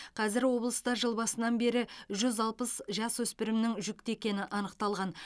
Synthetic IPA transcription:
qʰɑzɪɾwo̞blˠəst̪ɑɾʒəlˠbɑsənɑnbe̞ɾɪʒʏzɑlˠpəsʒɑswɵspɪɾɪmnɪŋʒʏk̚t̪e̞kʲe̞nɪʔɑnəqt̪ɑlˠʁɑn

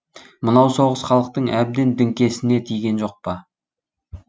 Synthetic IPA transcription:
mənɑwso̞ʁəsχɑlˠəq̚t̪əɴæb̚d̪e̞nd̪ɪŋkʲe̞sɪne̞t̪ʰijɡʲe̞nʒo̞q̚pɑ

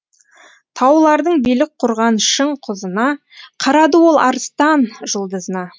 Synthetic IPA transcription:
t̪ʰɑwlˠɑɾd̪əɴbijlɪk̚qʰʊɾʁɑnʃəɴqʰʊzənɑ | qʰɑɾɑd̪əwo̞lˠɑ̰ɾəst̪ɑnʒəlˠd̪əzənɑ

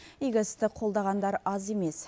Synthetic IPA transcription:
iɡʲəst̪ɪqʰo̞lˠd̪ɑʁɑnd̪ɑɾɑzeme̞s

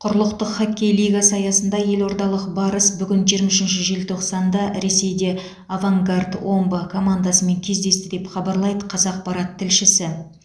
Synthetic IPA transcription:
qʰʊɾlˠəqt̪əqχakʲːe̞jlijɡasɑjɑsənd̪ɑje̞lwo̞ɾd̪ɑlˠəqbɑɾəsbʏɡʲɪnʒijɾmɑʃɪnʃɪʒelt̪ʰo̞qsɑnd̪ɑɾe̞se̞jd̪e̞ | avaŋɡard̪wo̞mbəkʰo̞mand̪asəme̞ŋkʲʰe̞zd̪e̞st̪ɪd̪e̞pχɑbɑɾlˠɑjd̪əqʰɑzɑq̚pɑɾɑt̪ʰːɪlʃɪsɪ

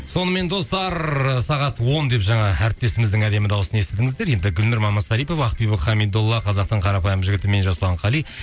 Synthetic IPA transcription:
so̞nəme̞nd̪o̞st̪ɑɾsɑʁɑt̪wo̞nd̪e̞pʒɑɴɑæɾɪp̚t̪e̞sɪmɪzd̪ɪŋæd̪e̞mɪd̪ɑwəsənest̪ed̪ɪŋɪzd̪e̞ɾje̞nd̪ɪɡʲʏlmɪɾmɑmɑzsɑɾijpo̞fɑqpijbəχɑmid̪olˠːɑqʰɑzɑq̚t̪əɴqʰɑɾɑpɑjəmʒɪɡʲɪt̪ɪme̞nʒɑsəlˠɑɴqɑlˠij

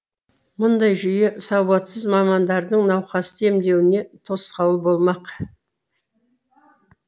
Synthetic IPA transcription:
mʊnd̪ɑjʒʏjesɑwwɑt̪səzmɑmɑnd̪ɑɾd̪əɴnɑwqɑst̪ʰe̞md̪e̞wɪne̞t̪ʰo̞sqɑwəlˠbo̞lˠmɑq

